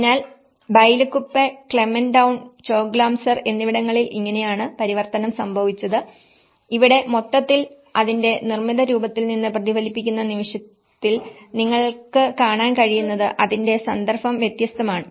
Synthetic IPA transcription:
naːl | bɐjlukːupːekɭemenɖɐwɳt͡ɕo̞ːkɡlaːmsɐre̞nːiʋiɽɐŋːɐɭilʔiŋːɐne̞jaːɳɨpɐɾiʋɐrt̪ɐnɐmsɐmbʱɐʋit͡ɕːɐðɨ | iʋiɽe̞mo̞t̪ːɐt̪ːil | ɐðinde̞nirmiðɐɾuːbɐt̪ːilninːɨprɐðibʱɐlipːikʲːunːɐniʋiʂjɐt̪ːil | niŋːɐɭkɨkaːɳaːnkɐɻijunːɐðɨʔɐðinde̞sɐnd̪ɐrfɐmʋjet̪jɐst̪ʰɐmaːɳɨ

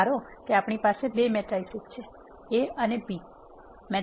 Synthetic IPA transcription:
aɾokeapɳipasebemɛʈɾaisutt͡ʃʰe | eənebi | mɛ

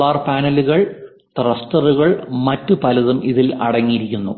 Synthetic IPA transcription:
aːrpaːnɐluɣɐɭ | t̪rɐstɐruɣɐɭmɐtːupɐlɐðumʔiðilɐ̰ɽɐŋːijiɾikʲːunːu

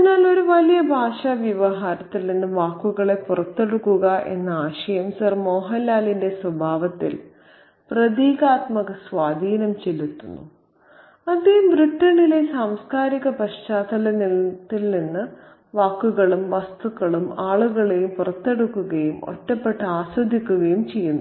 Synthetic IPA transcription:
pinːaːlo̞ɾuʋɐlijɐbʱaːʂaʋjɐʋɐɦaːɾɐt̪ːilninːɨʋaːkːuɣɐɭe̞purɐt̪ːe̞ɽukːuɣɐʔe̞̰nːɐaːɕɐjɐmsɐrmoːɦɐlːaːlinde̞swɐbʱaːʋɐt̪ːḭl | prɐd̪iːɣaːt̪mɐɣɐsʋaːd̪ʱiːnɐmt͡ɕelːut̪ːunːṵ | ɐd̪ejumbɾiʈːɐɳilesaːmskaːɾiɣɐpɐʂt͡ɕaːd̪ɐlɐnilt̪ːilninːɨ | ʋaːkːuɣɐɭumʋɐst̪ukːɐɭumaːɭuɣɐɭejumpurɐt̪ːe̞ɽukːuɣɐjumo̞̰ʈːɐpːe̞ʈːɨaːswɐd̪ʱikʲːuɣɐjumt͡ɕe̞jːunːu

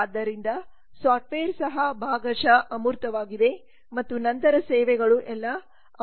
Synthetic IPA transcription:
ad̪ːɐɾind̪ɐ | saːʈfeɐɾsɐɦɐbʱaːɡɐʃɐʔɐmuɾt̪ɐʋaːɡid̪e̞ | mɐt̪ːunɐnt̪ɐɾɐsɛːʋɛɡɐɭuʔɛlːɐ

